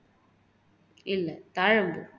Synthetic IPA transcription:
ɪlːɐt̪aːɻɐmbɯ

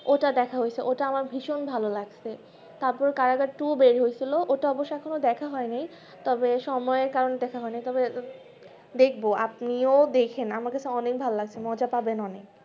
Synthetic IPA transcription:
oʈad̪ɛkʰaɦojet͡ɕʰeʔoʈaamaɾbʱiʃonbʱalolaɡt͡ɕʰe | t̪aɾpɔɾekaɾaɡaɾʈubeɾɦoet͡ɕʰiloʔoʈaɔboʃːoɛkʰonod̪ɛkʰaɦɔenej | t̪ɔbeʃɔmɔeeɾkaɾoned̪ɛkʰaɦɔenejt̪ɔbe | d̪ekʰboapniod̪ekʰenamaɾkat͡ɕʰeɔnek̚bʱalolaɡt͡ɕʰemɔd͡ʑapabenɔnek

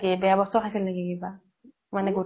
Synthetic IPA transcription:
ɡɛbɛjabɔsɔɦasillaɡɛɡiba | manɛɡu

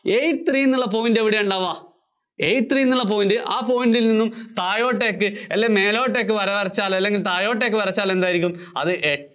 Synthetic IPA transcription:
ejʈt̪riːnːuɭːɐp̬o̞ːjindeʋiɽejuɳɖaːʋaː | ejʈt̪riːnːuɭːɐpoːjndɨʔaːpo̞ːjindilninːumt̪aːjo̞ːʈːe̞ːkːɨelːeme̞ːlo̞ːʈːe̞ːk̬ːɨʋɐɾɐʋɐrɐt͡ɕːaːlɐlːe̞ŋɡilt̪aːjo̞ːʈːe̞ːkːɨpɐɾɐt͡ɕːaːle̞nd̪aːjiɾikʲːum | ɐ̰ðɨʔe

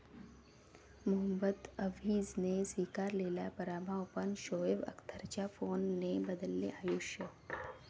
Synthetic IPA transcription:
mʊɦəmbət̪əʋiːzneswiːkaːɾleːlapɐɾaːmawpənʃoːeʋə̰kt̪ʰəɾt͡ɕafoːnːebəd̪əlːḛʔaːjoːʃjə

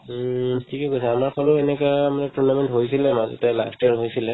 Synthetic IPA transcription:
tʰikɛkojsɛamaɹpʰɔlʊɛnɛkajamanɛtuɹnamɛntɦojsilɛmazɔ̰tala̰stɛɹɦojsilɛ

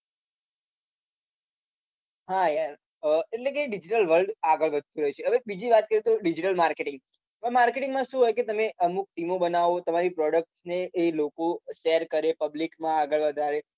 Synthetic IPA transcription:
ɦajaɾ | əeʈlek̬eɖid͡ʒiʈəlʋəlɖaɡəɭʋəd̪̚ʱt̪ũɾəɦit͡ʃʰeɦəʋebid͡ʒiʋat̪̚kəɾjet̪oɖid͡ʒiʈəlmaɾkeʈɪŋɡ̚ | amaɾkeʈɪ̃ŋɡmãʃũɦojket̪əmeʔəmuk̚ʈimobənaʋot̪əmaɾipɾɔɽək̚ʈsneːlokoʃejəɾkəɾepəblikmãaɡəɭʋəd̪ʱaɾe

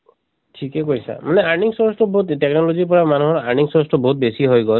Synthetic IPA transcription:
ʈʰikekojsa̰maneaniŋsɔsʈɔbɔɦut̪ʈeknɔlɔzipɔɾamanuɦɔɾaniŋsɔsʈɔbɔɦut̪̚besiɦojɡɔ

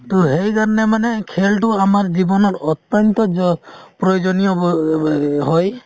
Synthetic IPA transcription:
t̪oɦejkaɾɔnɛmanɛkʰelʈuamaɹd͡ʒibɔnɔɾɔt̪jɔnt̪ɔd͡ʒɔpɾɔjod͡ʒɔnijɔ | ɦɔj

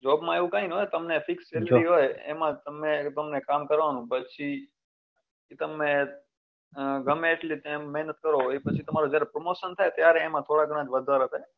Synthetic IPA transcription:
d͡ʒɔbmãeʋũkãinɦojt̪əmnefɪkst͡ʃelɾiɦojḛmãt̪əmet̪əmnekamkəɾʋanũpət͡ʃʰi | it̪əmẽ | ɡʱəmːʈlit̪mɛɦnət̪̚kəɾoepət͡ʃʰit̪əmaɾod͡ʒjaɾepɾomoʃənt̪ʰaet̪jaɾɛːmãt̪ʰoɽaɡəɽ̃ãd͡ʒʋəd̪ʱaɾət̪ʰae

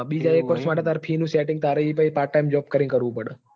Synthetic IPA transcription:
ɓid͡ʒaekʋəɾsmaʈet̪aɾpʰinũsɛʈɪ̃ŋɡ̚t̪aɾəipaipaːɾʈ̚ʈajmd͡ʒɔp̚kəɾĩŋkəɾʋũpəɽe

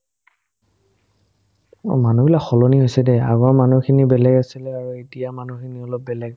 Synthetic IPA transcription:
manubilakxɔlɔniɦojsɛdɛa̰ɡɔɹmanukʰinibɛlɛɡasilɛaɹuitijamanukʰiniɔlɔp̚bɛlɛɡ

